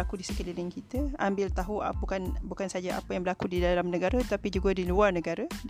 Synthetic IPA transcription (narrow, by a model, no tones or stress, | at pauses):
akudisəkəlilɪŋkit̪əambɪlt̪aɦua̰pəkanbukansad͡ʒaa̰pajaŋbəlakudidalamnə̃ɡaɾat̪t̪apid͡ʒuɡadiluarnəɡaɾa